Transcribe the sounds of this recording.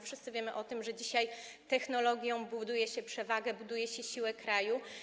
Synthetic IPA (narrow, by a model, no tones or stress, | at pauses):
fʂɘst̪sɘvʲjɛmɘʔɔt̪ɘmʐɛd͡ʑiɕaj | t̪ɛxnɔlɔɡʲjɔ̃w̃bud̪ujɛɕɛpʂɛvaɡɛbud̪ujɛɕɛɕiwɛkɾaju